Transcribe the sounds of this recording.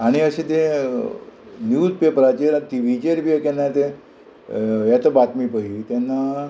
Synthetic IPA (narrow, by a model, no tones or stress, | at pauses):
aɽ̃iəɕet̪e | njuspepɾat͡ɕeɾat̪iʋit͡ɕeɾpiəkɛnːajt̪e | jat̪əbat̪mipəit̪anːa